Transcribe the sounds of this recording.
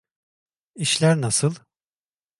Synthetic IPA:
iʃlʲæɾnasɯlˠ

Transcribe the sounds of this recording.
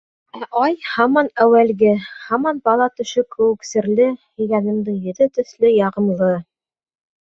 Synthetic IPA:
æʔɑjhɑmɑnæwælɡɘhɑmɑnbɑlˠɑt̪ɵ̆ʃɵkɵ̆wɘ̆ksɘ̆ɾlɘhĭɡænɘ̆md̪ɘŋjɵ̆ðɘt̪ɵ̆θlɘjɑʁɤ̆mlˠɤ

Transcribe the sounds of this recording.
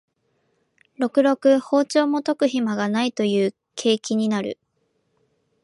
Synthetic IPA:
ɾo̞kɯ̟ɾo̞kɯ̟ho̞ːt͡ɕo̞ːmo̞t̪o̞kɯ̟çimaɡanait̪o̞jɯ̟ː | kʰe̞ːkʲiɲ̟inaɾɯ̟̰

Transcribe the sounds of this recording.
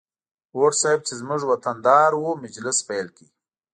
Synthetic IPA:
woʈsajb̚t͡ʃezmʊʐwat̪and̪ɑːɾwomɪd͡ʒlɪspajlki

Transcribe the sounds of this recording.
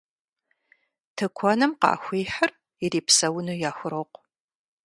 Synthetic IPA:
tʰɨkʷʰɔnɨmqɑ̰ːxʷiːħər | ɪɾiːpsɐwnujaːxʷʊɾoːqʷ

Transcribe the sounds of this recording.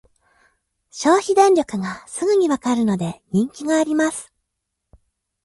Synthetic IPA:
ɕo̞ːçid̪ẽ̞nʲɾʲjo̞kɯ̟ɡasɨɡɯ̟ɲ̟iβakaɾɯ̟no̞d̪eɲ̟ĩŋkʲiɡaːɾʲimasɨ̥

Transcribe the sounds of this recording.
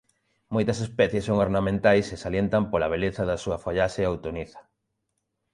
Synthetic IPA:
mojt̪ɐsespɛθjesːoŋoɾnamẽnt̪ajsesaljent̪ɐmpolɐβ̞eleθɐðɐsuɐfoʎaʃeawt̪oniθɐ̥

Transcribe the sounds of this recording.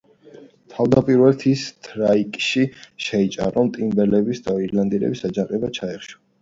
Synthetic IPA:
t̪ʰavd̪apʼiɾvɛlt̪ʰist̪ʰɾaikʼʃiʃɛit͡ʃʼa̰ɾɔmt̪ʼimbɛlɛbisd̪aiɾland̪iɾɛ̰bisad͡ʒaqʼɛbat͡ʃʰaɛχʃɔ̥

